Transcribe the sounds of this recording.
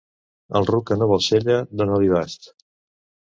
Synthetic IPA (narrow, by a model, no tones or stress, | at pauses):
əlˠrukənoβɔlˠseʎəd̪onaβiβast̪